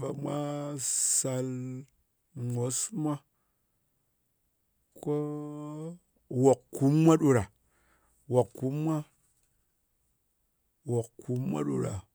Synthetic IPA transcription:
ba˨mʷa˦sa˧l | ŋo˨˦sma˦ | ko˦ | wo˨kku˨˦mːʷa˦ɗu˨ɾa˨ | wo˨kkːu˨˦mːʷa˦ | wo˨kkːu˨˦mːʷa̰˦ɗṵ˨ɾa̰˨

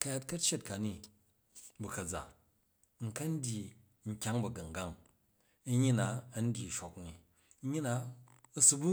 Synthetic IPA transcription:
kɐ˦ja˦t̚kɐ˦t͡ʃe˦t̚ka˨ni˦ | bu˨kɐ˨d͡za̰˨ | ŋ̩˨kɐ˦n̩˦dʲi˨ | ŋ̩˨kʲa˦ŋbɐ˨ɡɐ˨ŋ˨ɡa˦˨ŋ | ɐ˦ɲi˦na˨ɐ˦n̩˦dʲi˨ʃo˨kni˨˦ | ɲi˦na˨ | ɐ˦su˦bu˦

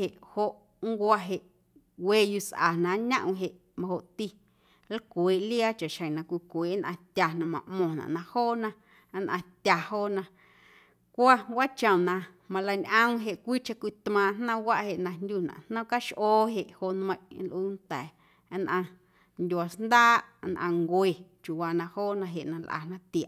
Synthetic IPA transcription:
e˨ʔho˧ʔ | ŋ˦kʷa˧ɦe˧˨ʔ | weː˦ju˧˨sʔa̰˨nã˨ɲã̰˦ʔw̃ɦe˨ʔ | mã˧ho˨ʔt̪i˧ | la˦kʷeː˨ʔli˦a˦t͡ʃa˨ʃhə̃˨nã˧kʷi˧˨kʷeː˨ʔnʔã̰˧t̪ʲa˨nã˧mã̰˨ʔmɔ̃˨nã̰˨ʔnã˧hoː˦nã˧˦ | nʔã˧t̪ʲja˨hoː˦˨nã˧ | kʷa˦ɡʷwa˦t͡ʃə̃˨nã˧ | mã˧la˧ɲʔə̃˦wɦe˨ʔkʷiː˦t͡ʃã˧kʷi˧˨t̪mãː˧˨n̥nã˦wa˦ʔhe˨ʔnã˧nd̪ʲu˦nã̰˨n̥nã˦ka˦ʃʔoː˦ɦe˧˨ʔho˧˨ʔnmə̃˧j̃nlʔuː˦nt̪ɛː˨˦ | nʔã˧ | ndʲwa˨snd̪aː˦ʔnʔã˧ŋɡwe˨t͡ʃju˨waː˧nã˧hoː˦nã˧ɦe˨ʔnã˧lʔa̰˨nã˦t̪i˨a˨ʔ

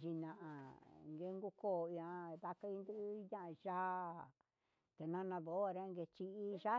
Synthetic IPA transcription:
ʒi˧nã˨ʔa˨ŋɡe˧˦ŋɡu˦ko˦˨ĩ˧ã˧d̪a˧ka˧˦i˧nd̪u˦ɲã˦ʔa˧ʒa˦˨ | t̪e˨nã˧nã˧ðo˨˦a˧ɾa˦˧ŋɡe˧t͡ʃi˧i˦ʒa˦

